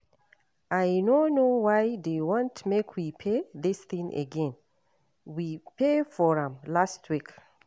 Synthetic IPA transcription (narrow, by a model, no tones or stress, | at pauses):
ajnonowajðewɔ̃ntʰmekʰwipʰeðisθĩŋʔə̰ɡɛ̃n | wipʰefɔɹə̃mlastʰwik